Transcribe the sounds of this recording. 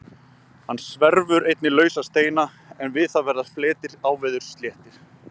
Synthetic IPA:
hanːsvɛɾvʏɾejt̪nɪlœːɥsast̪eːjna | ɛnvɪðθavɛɾðaflɛːt̪ɪɾaːwvɛːðʏɾ̥st̪ljɛːht̪ɪɾ̥

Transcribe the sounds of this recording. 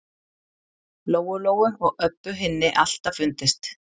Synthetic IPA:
loːwʏloːwʏɔɣœpːʏɦɪnːɪʔal̥t̪afʏnt̪ɪst̪

